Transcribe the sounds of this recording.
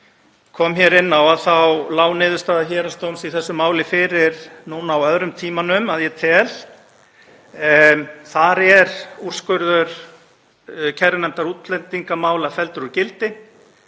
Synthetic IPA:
kʰɔːmçɛɾɪnːawaðθawlaːwnɪːðʏst̪aːðaçɛːɾast̪ownsiθɛsːʏmaːwlɪfɪɾɪɾ̥nuːnaːwœðɾʏmt̪ʰiːmanʏmaðjɛt̪ʰɛl | θaɾɛɾur̥skœɾðʏɾ | cʰɛɾnɛmt̪aɾuːt̪lɛnt̪iŋkamaːwlafɛlt̪ʏɾʏɾcɪlt̪ɪ

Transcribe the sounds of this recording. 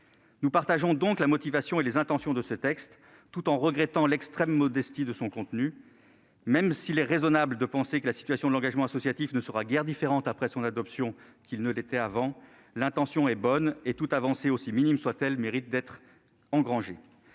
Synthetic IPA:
nupaʁt̪aʒɔ̃d̪ɔ̃klamɔt̪ivasjɔ̃elezɛ̃t̪ɑ̃sjɔ̃d̪əsət̪ɛkst̪ː | ut̪ɑ̃ʁəɡʁɛt̪ɑ̃lɛkst̪χɛmːɔd̪ɛst̪id̪əsɔ̃kɔ̃t̪ny | mɛmsilɛʁezɔnabld̪əpɑ̃sekəlasi̥t̪ɥasjɔ̃d̪əlɑ̃ɡaʒmɑ̃asɔsjat̪ifnəsəʁaɡɛʁd̪ifeʁɑ̃t̪apχɛsɔ̃nad̪ɔpsjɔ̃kilnəlet̪ɛavɑ̃ | lɛ̃t̪ɑ̃sjɔ̃ɛbɔnet̪ut̪avɑ̃seosiminimswat̪ɛlmeʁit̪̚d̪ɛt̪χ | ɑ̃ɡʁɑ̃ʒe

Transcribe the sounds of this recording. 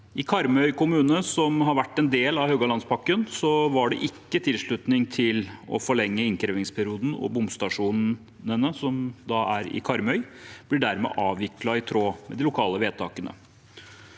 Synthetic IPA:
ɪkʰɑɾmœʏkʊmʉːnəsɔmɦɑɾʋæʈːɛnd̪eːlɑʋhøɡɑlɑnspʰɑkːənsɔʋɑɖɛ̰ʔɪkːət̪ʰɪlʂɭʉt̪nɪŋt̪ʰɪlɔ̰fɔɭɛŋːəɪnkɾeːʋɪŋspʰæɾɪuːd̪n̩ɔ̰bʊmst̪ɑʂuːn | ənəsɔmd̪ɑæɾɪ̰kʰɑɾmœʏb̥lɪɖæɾmɛ̰ːʔɑːʋɪklɑɪt̪ʰɾoːmɛ̰d̪ɪlʊkʰɑːləʋeːd̪̚t̪ʰɑːkənə̰

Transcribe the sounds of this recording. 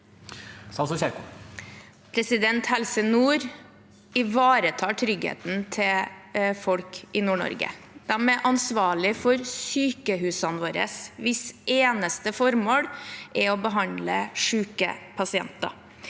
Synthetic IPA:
sɑlsɔçæɾkʊ | pʰɾɛsɪd̪ɛnt̪hɛlsənuːɾ | ɪʋɑːɾət̪ʰɑːʈʰɾʏɡhḛːt̪n̩t̪ʰɪlfɔlkɪnuːɳɔ̰ɾɡə̰ | d̪̥æmɛʔɑnsʋɑːɭɪfɔɾsyːkəhʉːsɑnʋoːɾə̰sʋɪseːnəst̪əfɔɾmoːɽʔɛɔbəɦɑnd̪ləʂʉːkə̰pʰɑsɪɛ̰nt̪ɑ̰

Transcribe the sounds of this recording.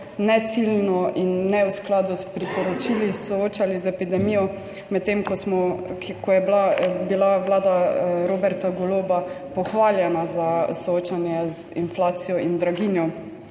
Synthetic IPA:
nɛt̪silnɔʔinːɛwsklaːd̪uspɾipɔɾɔt͡ʃilisɔoːt͡ʃalizɛpid̪ɛmijɔ | mɛt̪ːemkɔsmɔkɔjɛblabilaʋlaːd̪aɾoːbɛɾt̪aɡɔloːba | pɔxʋaːljɛnazasɔoːt͡ʃanjɛz | ḭnflaːt̪sijɔʔind̪ɾaɡinjɔ

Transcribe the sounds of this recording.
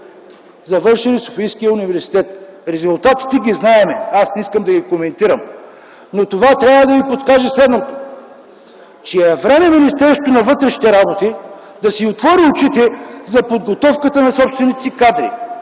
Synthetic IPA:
zɐvɤɾʃɛliso̥fijskijəunivɛɾsi̥t̪ɛt̪ɾɛzʊlˠt̪at̪i̥t̪ɛɡʲiznaɛmɛasnɛiskəmd̪ɐɡʲikomɛnt̪iɾəm | not̪ovat̪ɾʲjavəd̪ɐvipot̪kaʒɛslɛd̪not̪o̥ | t͡ʃɛɛvɾɛmɛminist̪ɛɾst̪onɐvɤt̪ɾɛʃi̥t̪ɛɾabot̪i | d̪ɐsiot̪vɔɾiot͡ʃit̪ɛzɐpod̪ɡot̪ɔfkət̪ənɐsɔpst̪vɛnit̪sikad̪ɾḭ

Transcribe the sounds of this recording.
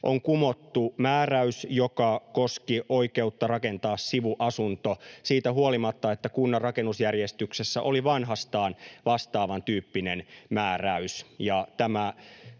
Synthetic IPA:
ʔoŋkumot̪ːumæːræysjokɑkoskiʔoike̞ut̪ːɑrɑkent̪ɑːssiʋuʔɑsunt̪osiːt̪æɦuolimɑt̪ːɑet̪ːækunːɑrrɑkenːusjærjest̪yksesːæʔoliʋɑnɦɑst̪ɑːnʋɑst̪ɑːʋɑnt̪yːpːinenmæːræysjɑt̪æmæ

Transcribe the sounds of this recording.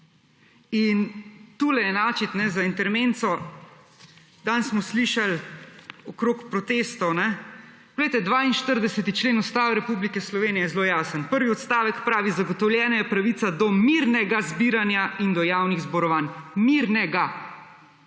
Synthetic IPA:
int̪uːlɛjɛnaːt͡ʃit̪nɛzaint̪ɛɾment̪sɔ | d̪ansmɔsliʃal | ɔkɾoːkpɾɔt̪est̪ɔwnɛ | bɔɡlejt̪ɛd̪ʋaːinʃt̪əɾd̪ɛsɛt̪it͡ʃleːnust̪aːʋɾɛpublikɛslɔʋeːnijɛjɛzloːjaːsənpəɾʋiɔt̪st̪aːʋəkpɾaːʋizaɡɔt̪ɔwljɛːnɔjɛpɾaʋit̪sad̪ɔmiɾnɛɡazbiːɾanjaind̪ɔjaːwniɣzbɔɾɔʋaːnmiɾnɛɡa

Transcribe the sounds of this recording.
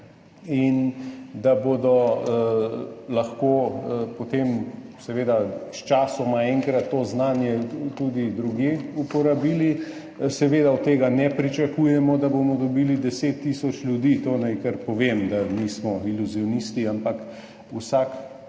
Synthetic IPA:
ind̪abod̪ɔ | lɐxkoːpot̪emsɛʋeːd̪ast͡ʃaːsɔmaɛŋkɾat̪ːoːznaːnjɛt̪ud̪id̪ɾuɡjeːupɔɾabiːli | sɛʋeːd̪aɔt̪ːeːɡanɛpɾit͡ʃakuːjɛmɔd̪abomɔd̪ɔbiːlid̪ɛseːt̪ːiːsɔt͡ʃlʲjud̪iːt̪onajkəɾpɔʋeːmd̪amismɔiluzijɔnist̪iampak | usak

